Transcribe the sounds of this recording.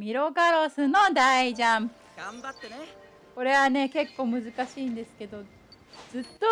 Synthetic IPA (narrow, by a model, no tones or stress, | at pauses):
mʲiɾo̞ɡaɾo̞sɨno̞d̪aiʑãm | ɡambat̪ːe | ko̞ɾe̞βane̞ke̞kːo̞ːmɯ̟zɨkaɕiːnd̪e̞sɨ̥ke̞d̪o̞ | zɨt̪ːo